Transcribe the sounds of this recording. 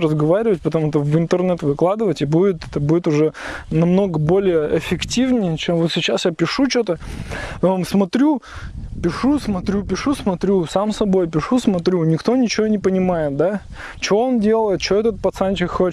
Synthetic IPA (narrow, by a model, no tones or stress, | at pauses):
rəzɡɐvaɾʲɪvət̚ʲpət̪ɐmut̪əvɨnt̪ərnɛt̪vɨklˠad̪ɨvətʲɪbudʲɪt̪ɛt̪əbudʲɪt̪ʊʐɛnɐmno̞ɡəbo̞lʲɪjəɪfʲɪktʲivnʲɪjət͡ɕemvo̞t̪sʲɪt͡ɕasjapʲɪʂut͡ɕot̪əomsmɐt̪ɾʲupʲɪʂusmɐt̪ɾʲupʲɪʂusmɐt̪ɾʲusamsɐbo̞jpʲɪʂusmɐt̪ɾʲunʲɪkt̪o̞nʲɪt͡ɕɪvo̞nʲɪpənʲɪmajɪt̪̚d̪a | t͡ɕɪvoondʲelˠəjɪt̪̚t͡ɕɪvoɛt̪ət̪̚pɐt̪sanʲt͡ɕɪkxo